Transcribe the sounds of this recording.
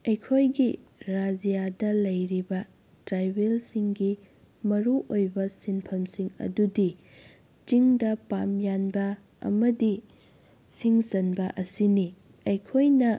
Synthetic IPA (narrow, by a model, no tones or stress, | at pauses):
ɐjkʰojɡiɾad͡ʒijadɐlɐjɾibɐ | tɾajbelsiŋɡi | mɐɾuʔojbɐsinpʰɐmsiŋɐ̰dudi | t͡ʃiŋdɐpamjanbɐ | ɐ̰mɐdi | siŋsɐnbɐʔɐsini | ɐjkʰojnɐ